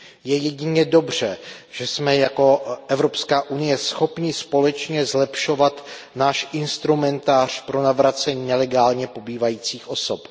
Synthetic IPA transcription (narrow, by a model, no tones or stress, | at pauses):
jɛjɛɟɪɲɛdo̞br̝̥ɛ | ʒ̥ɛsmɛjako̞ʔɛvɾopskaːʔunɪjɛsxo̞pɲɪspo̞lɛt͡ʃɲɛzlɛpʃo̞vat̪ | naːʃʔɪnst̪ɾumɛnt̪aːr̝̥pɾo̞navɾat͡sɛɲiːnɛlɛɡaːlɲɛpo̞biːvajiːt͡siːxʔo̞sop